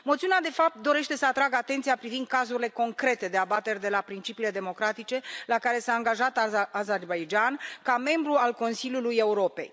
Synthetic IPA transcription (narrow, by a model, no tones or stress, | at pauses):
mot̪siunad̪e̞fap̚t̪̚d̪o̞ɾe̞ʃt̪e̞səat̪ɾaɡat̪e̞nt̪sijapɾivind̪̚kazuɾile̞ko̞ŋkɾe̞t̪e̞d̪e̞abat̪e̞rʲd̪e̞lapɾint͡ʃipiːle̞d̪e̞mo̞kɾat̪it͡ʃe̞lakaɾe̞saːŋɡaʒat̪azerbajd͡ʒankame̞mbɾualko̞nsilʲjuluje̞uɾo̞pe̞̰j